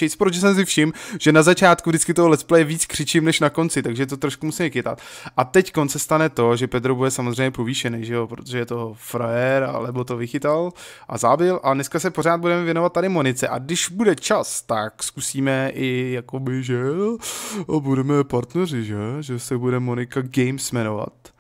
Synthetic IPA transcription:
ɛjspɾoʒɛsɛms̬ɪfʃɪmʒ̥ɛnazat͡ʃaːt̪kuvdɪt͡skɪt̪oɦolɛsplɛjɛviːt͡skr̝̥ɪt͡ʃɪmnɛʃnako̞nt͡sɪt̪aɡʒɛt̪̬ot̪ɾoʃkumusiːmɛkɪt̪a̰t̪ʔat̪ɛckonsɛst̪anɛt̪o̞ʒɛpɛt̪ɾobudɛsamozr̝ɛjɲɛpoviːʃɛnɛʒɛjopɾot̪oʒɛjɛt̪o̞fɾoɛɾa̰lɛbot̪o̞vɪxɪt̪al | ʔa̰zaːbɪlʔanɛskasɛpo̞r̝aːt̪̚budɛmɛvjɛnovat̪̚ːaɾɪmo̞nɪt͡sɛʔa̰ɡdɪʒbudɛt͡ʃast̪akskusiːmɛʔɪjako̞bɪʒɛ | budɛmɛpaɾt̪nɛrɪʒɛʒɛsɛbudɛmo̞nɪkaɡɛjmsmɛnova̰t̪

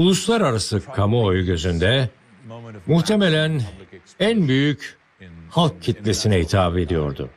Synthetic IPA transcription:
ulˠuslˠaɾaɾasɯkʰamɯojɟøzynd̪ɛ | muht̪ʰe̞me̞lʲæn | ænbyjyc | halˠk̚cʰːit̪lʲe̞sinɛit̪ʰaːbe̞d̪ijo̞̰ɾd̪ʊ̰

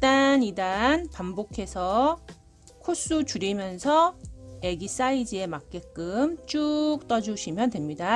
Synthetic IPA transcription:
t͈anidanpambokʰe̞sʰʌ | kʰos͈ut͡ɕuɾimjʌnsʰʌe̞ɡis͈aid͡ʑie̞mak̚k͈e̞k͈ɯmt͡ɕ͈uk̚t͈ʌd͡ʑuɕʰimjʌntwe̞mɲida

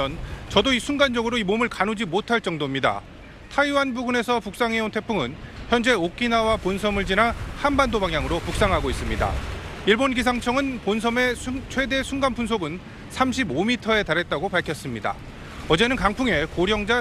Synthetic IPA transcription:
ʌnt͡ɕʌdoisʰuŋɡand͡ʑʌɡɯɾoimomɯɭkanud͡ʑimotʰaɭt͡ɕ͈ʌŋdoimɲida̰ | tʰaiwanbuɡune̞sʰʌpuk̚s͈aŋɦe̞ontʰe̞pʰuŋɯnçjʌnd͡ʑe̞ok͈inawaponsʰʌmɯɭd͡ʑinahanbandobaŋɦjaŋɯɾopuk̚s͈aŋɦaɡois͈ɯmɲida̰iɭbonɡis̬ʰaŋt͡ɕʰʌŋɯnponsʰʌme̞t͡ɕʰwe̞de̞sʰuŋɡanpʰuns̬ʰoɡɯn | sʰamɕ̬ʰibomitʰʌe̞taɾɦe̞t̚t͈aɡopaɭkʰjʌs͈ɯmɲida̰ | ʌd͡ʑe̞nɯnkaŋpʰuŋe̞koɾjʌŋd͡ʑa

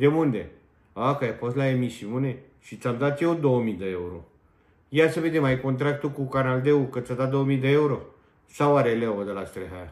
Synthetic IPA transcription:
d̪emund̪e | akajpɔslaemisimune | ʃit͡samd̪at̪eod̪omid̪əjeuɾo | jasəbed̪emajkont̪̬ɾak̚t̪ukukanald̪eukət͡sat̪ad̪omiːd̪əjeuɾo | saʋaɾeleoʋəd̪əlat͡st̪ɾeɦa

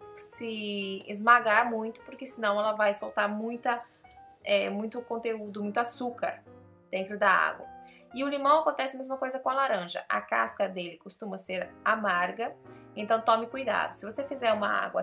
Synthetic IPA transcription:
sɪ̰ːzmaɡaɾmũj̃t̪ʊ̥poɾkɪsɪnɐ̃w̃ɛlɐvajsowt̪aɾmũj̃t̪ɐ | ɛmũj̃t̪ʊkõnt̪eud̪ʊmũj̃t̪ʊasukɐ̰ɾ | d̪̥ẽnt̪ɾʊd̪ɐa̰ɡwɐ | ɪʊlimɐ̃w̃akõnt̪ɛsɪɐmezmɐkojzɐkõɐlaɾɐ̃ʒɐ̰ʔɐ̰ka̰skɐd̪elɪkost̪ũmɐseɾamaɾɡɐ | ẽnt̪ɐ̃w̃t̪õmɪkujd̪a̰d̪ʊsɪvosefizɛɾũmɐa̰ɡwɐ

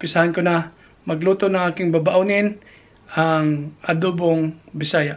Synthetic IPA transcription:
pɪsahankonɐ | mɐɡluːt̪onɐŋaːkɪŋbabaʔunɪn | ʔɐŋɐd̪uːboŋbɪsaːja

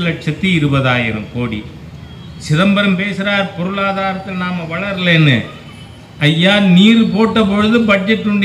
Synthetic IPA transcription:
lɐʈ̚ʂɐt̪ːɯɪɾɯbɐðaːjɪɾɐ̰mkoːɽḭ | sɪðɐmbɐɾɐmpeːsɯɾaːɾpɔɾɯɭaːðaːɾɐt̪ːɪlnaːmɐʋɐɭɐɾleːnːɯ̰ | ɐjːaːniːɾɯpoːʈːɐpɔɻɯðɯbɐd͡ʒɛʈːɯɳɖɐ

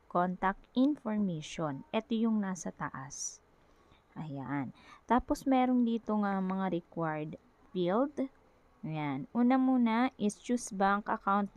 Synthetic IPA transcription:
kont̪ɐk̚t̪ʔɪnfoɹmejʃonʔɛt̪ojʊŋnaːsɐt̪ɐ̰ʔas | ʔɐjaʔant̪aːposmɛːɾond̪iːt̪oŋɐmɐŋaɾɛkwaɹd̪ | fild̪ | janʔuːnɐmuːnɐʔɪst͡ʃusbaŋkʔɐkawnt̪̚

